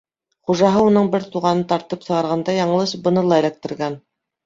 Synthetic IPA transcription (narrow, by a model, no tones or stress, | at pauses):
χuʒɑɦɤunɤɴbɘɾt̪uʁɑnɤnt̪ɑɾt̪ɤpsɤ̆ʁɑɾʁɑnd̪ɑjɑɴɤlˠɤʃ̚bɤ̆nɤlˠɑjɾæk̚t̪ɘ̆ɾɡæn